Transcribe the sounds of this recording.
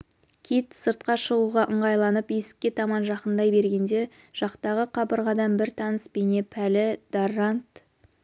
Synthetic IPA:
kʲʰijt̪səɾt̪̚qɑʃəʁuʁɑʔəɴʁɑjlˠɑnəpje̞sɪ̥kʲːe̞t̪ʰɑmɑnʒɑqənd̪ɑjbe̞ɾɡʲe̞nd̪e̞ | ʒ̥ɑqt̪ɑʁəqʰɑbəɾʁɑd̪ɑnbɪɾt̪ʰɑnəsbene̞pʰælɪd̪̥arant̪

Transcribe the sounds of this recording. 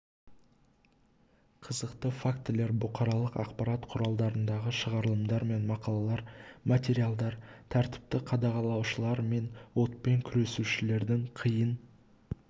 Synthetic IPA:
qʰəzəqt̪əfakt̪ɪle̞ɾbʊqɑɾɑlˠəqɑ̰qpɑɾɑt̪qʰʊɾɑlˠd̪ɑɾənd̪ɑʁəʃəʁɑɾəlˠəmd̪ɑɾme̞nmɑqɑlˠɑlˠɑɾmat̪ʲe̞ɾialˠd̪ɑɾt̪ʰæɾt̪ɪ̥p̚t̪ɪqʰɑd̪ɑʁɑlˠɑwʃəlˠɑɾme̞nwo̞t̪pe̞ŋkʲʰʏɾe̞suʃɪle̞ɾd̪ɪŋqʰəjən

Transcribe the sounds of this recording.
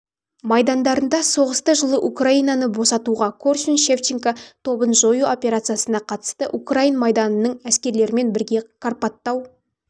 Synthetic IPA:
mɑjd̪ɑnd̪ɑɾənd̪ɑso̞ʁəst̪əʒəlˠəʔukraijnɑnəbo̞sɑt̪uʁɑkʰorʃinʃeft͡ʃiŋkat̪ʰo̞bənʒojuo̞pʲe̞ɾat̪sɨjasənɑqʰɑt̪ə̥st̪əʔukrajinmɑjd̪ɑnənəɴæskʲe̞ɾle̞ɾɪme̞nbɪɾɡʲe̞kʰarpɑt̪ːɑw

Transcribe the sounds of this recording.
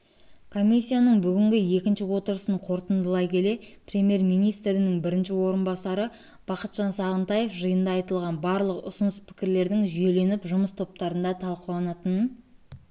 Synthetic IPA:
kʰo̞mʲisʲːijanəɴbʏɡʲɪŋɡʲɪje̞kʲɪnʃɪwo̞t̪əɾəsəɴqʰo̞ɾt̪ənd̪əlˠɑjkʲʰe̞le̞pʰrʲe̞mʲje̞rmijnijst̪ɾɪnɪŋbɪɾɪnʃɪwo̞ɾənbɑsɑɾə | b̥ɑqət̪ʒ̥ɑnsɑʁənt̪ɑje̞fʒəjənd̪ɑːjt̪əlˠʁɑnbɑɾlˠəqʊ̰sʊnəspʰɪ̥kʲɪɾle̞ɾd̪ɪŋʒije̞le̞nɪpʒʊməst̪ʰo̞p̚t̪ɑɾənd̪ɑt̪ʰɑlˠqəlˠɑnɑt̪ən

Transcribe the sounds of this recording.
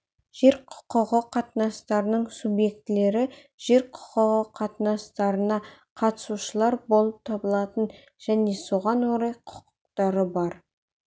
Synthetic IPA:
ʒ̥e̞ɾqʰʊ̥qəʁəqʰɑt̪nɑst̪ɑɾənəɴsubje̞k̚t̪ɪle̞ɾɪ | ʒ̥e̞ɾqʰʊ̥qəʁəqʰɑt̪nɑst̪ɑɾənɑqʰɑt̪ə̥suʃəlˠɑɾbo̞lˠəp̚t̪ʰɑbəlˠɑt̪ən | ʒ̥æne̞so̞ʁɑnwoɾɑjqʰʊ̥qə̥q̚t̪ɑɾəbɑɾ

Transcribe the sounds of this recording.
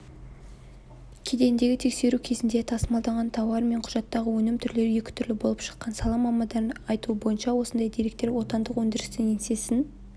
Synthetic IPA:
kʲʰe̞d̪e̞nd̪e̞ɡʲɪt̪ʰe̞kse̞ɾukʲʰe̞zɪnd̪et̪ʰɑsəmɑlˠd̪ɑʁɑnt̪ʰɑwɑɾme̞ɴqʰʊʒɑt̪ːɑʁəwɵnɪmt̪ʰʏɾle̞ɾje̞kʲɪ̥t̪ʰʏɾlɪbo̞lˠəpʃə̥qːɑnsɑlˠɑmɑmɑd̪ɑɑjt̪uəbo̞jənʃɑwo̞sənd̪ɑjd̪ijɾe̞k̚t̪e̞ɾwo̞t̪ɑnd̪əqwɵnd̪ɪɾɪst̪ɪnense̞sɪn

